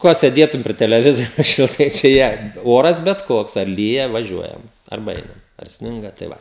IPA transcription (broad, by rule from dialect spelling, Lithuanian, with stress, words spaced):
ˈkoː sʲeːˈdʲeːtʊm pʲrʲɪ tʲɛlʲɛˈʋʲɪzʲɪjoːs ʃʲɪlˠˈtɐɪ t͡ʃʲɛ ˈjiɛ ˈoːrɐs bʲɛt ˈkoːks ɐr ˈlʲiːjɛ ʋɐˈʒʲuɔjɛm ɐrˈbɐ ˈɛɪnɐm ɐr ˈsʲnʲɪŋɡɐ tɐɪ ˈʋɐ